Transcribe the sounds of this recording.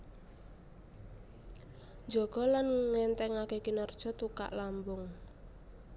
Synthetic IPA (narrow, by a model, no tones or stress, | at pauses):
nd͡ʒɔɡ̥ɔ̤lanŋɛnt̪ɛŋakekinɔrd̥ʒ̥ɔ̤t̪uka̰ʔlambʊŋ